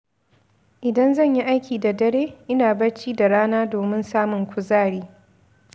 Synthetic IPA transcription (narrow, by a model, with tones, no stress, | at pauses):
ʔɪ˨dɐ˦nzɐ˦˨ɲji˦ʔa˦jkʲʰiː˨da˨dɐ˦ɽeː˦ʔɪ˦naː˨bɐ˦t͡ʃiː˦da˨ɽaː˦naː˦doː˨mɪ˦nsaː˦mʊ˨ŋkʷʰʊ˨zaː˦˨ɽiː˦